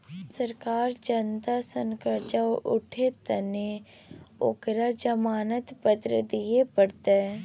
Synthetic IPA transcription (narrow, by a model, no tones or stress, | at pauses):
səɾkaːɾd͡ʒənt̪asəŋkəd͡ʒaʔʊʈʰet̪əne | o̰kɾad͡ʒəmaːnət̪pəd̪ɾəd̪ijepəɽt̪eɛ